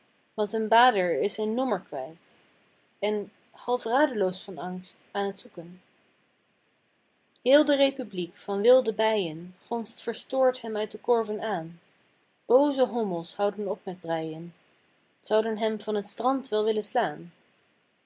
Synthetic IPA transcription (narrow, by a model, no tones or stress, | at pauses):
ʋɑntɦənbaːdəɹɪsɪnːɔməɹkʋɛjt | ɛn | hɑlˠfraːdəlowsfɑnɑŋstaːnɦətsukən | hɪːlˠdərejpyblikfɑnʋɪlˠdəbɛjənχɔnstfəɹstʊːɹtɦɛmœɥt̚dəkɔɹvənaːn | b̥owzəɦɔməlˠshɑwdənɔp̚mɛd̚brɛjən | z̥ɑwdənɦɛmvɑnətstrɑntʋɛlˠʋɪlənslaːn